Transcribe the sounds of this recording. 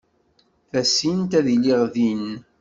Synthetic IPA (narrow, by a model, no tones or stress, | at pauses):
θæsint̪æðiliʁðin